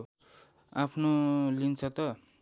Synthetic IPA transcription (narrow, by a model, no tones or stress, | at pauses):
apʰnolint͡sʰʌt̪ʌ